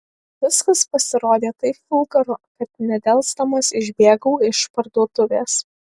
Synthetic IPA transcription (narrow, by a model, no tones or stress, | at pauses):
ʋʲɪskɐspɐsʲɪɾoːd̪ʲeːt̪ɐɪpfʲɪlˠɡɐɾʊkɐt̪nʲɛd̪ʲɛlˠˑst̪ɐmɐsɪʒʲbʲeːɡɐʊɪʃpɐɾd̪uɔt̪ʊʋʲeːs